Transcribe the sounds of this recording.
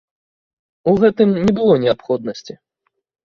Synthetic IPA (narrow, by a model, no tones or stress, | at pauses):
uɣɛt̪ɨmnʲɛbɨlˠɔnʲɛapxɔd̪̚nɐsʲt͡sʲi